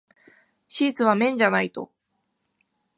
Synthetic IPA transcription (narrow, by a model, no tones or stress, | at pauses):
ɕiːt͡sɨβ̞amẽ̞ɲ̟d͡ʑanait̪o̞̰